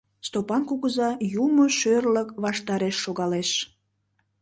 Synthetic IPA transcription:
st̪opɑnkuɣəzɑjumoʃørləkβɑʃt̪ɑɾeʃːoɣɑleʃ

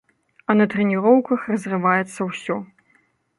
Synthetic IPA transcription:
ɐnɐt̪ɾɛnʲiɾɔwkɐxrɐzrɨvajɛt̪sːɐwsʲɔ

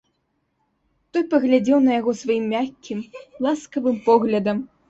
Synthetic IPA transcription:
t̪ɔjpɐɣlʲad͡zʲɛwnɐjaɣɔsvajimːʲakʲːimlˠaskɐvɨmpɔɣlʲɐd̪ɐm

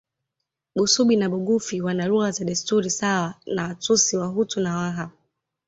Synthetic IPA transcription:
ɓusuɓinaɓuɠufiwanaɾuazaɗistuɾisawanawatusiwaɦutunawaɦa

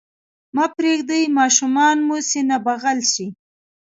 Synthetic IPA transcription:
mɑpɾeɡd̪ajmɑʃumɑnmusenabaɣalʃi

